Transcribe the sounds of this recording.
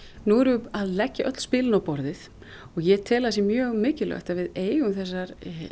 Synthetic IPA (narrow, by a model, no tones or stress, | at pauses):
nuɛɾvʏaðlɛcːaʔœt̪l̥spɪːlɪnawpɔɾðɪθ | ɔɣjɛt̪ʰɛːlaðsjɛmjœːɣmɪːcɪlœ̰ht̪avɪðeːjɣʏmθɛsːaɾ